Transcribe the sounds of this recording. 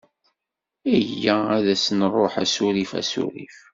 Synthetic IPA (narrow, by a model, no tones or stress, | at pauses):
ijːææðæsnrˤoħæ̰suɾifæ̰sṵɾḭf